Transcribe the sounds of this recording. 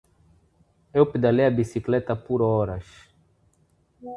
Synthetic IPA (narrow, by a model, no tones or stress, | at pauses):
ewped̪alejɐbisiklɛt̪ɐpuɾɔɾɐs